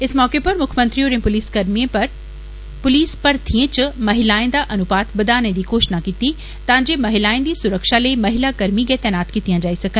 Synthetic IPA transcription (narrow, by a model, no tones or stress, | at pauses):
ɪsmɔːkepɐɾmʊkʰmɐ̃nt̪ɾioːɾẽpʊliːskɐɾmieɾ | pʊliːspɐɾt̪ʰiẽt͡ɕʊmɐɦɪlaːẽnd̪aʔɐnʊpaːt̪bɐd̪aːnẽd̪iːkoːʃnakit̪i | t̪ɐʋãɲd͡ʑemɐɦɪlaːẽnd̪iːsʊɾəkʃaleːmɐɦɪlakɐɾmiɡɐːt̪ɛːnaːt̪kʰit̪ijãd͡ʑaːisɐkə̃n